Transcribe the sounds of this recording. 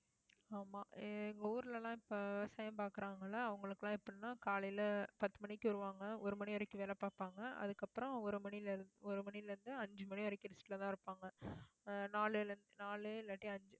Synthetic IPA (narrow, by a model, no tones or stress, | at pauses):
aːmaːɪŋɡɐuːɾɪlɐlãːɪpːoʋɪʋɐsaːjɐmpaːɾkɯɾaːŋɡɐlːaːʋɐŋɡɐɭɯkːɯlãːɪpːɐɽnːãːkaːlɐjlɐpɐt̪ːɯmɐɳɪkːɯɔɾɯʋaːŋɡɐɔɾɯmɐniɔɾɐkːɯʋeːlɐpaːɾpaːŋɡɐɐ̰ðɯkːɐpːɯɾɔ̃ɔɾɯmɐnilɾɔɾɯmɐnɪlɾɯnd̪ɯɐɲd͡ʒɯmɐɳiɔɾɐkːɪɾɪsʈːɪlɐt̪ãːɪɾɯpːaːŋɡɐ | naːlɯlnd̪ɯnaːɭɯlɐʈːiɐɲd͡ʒɯ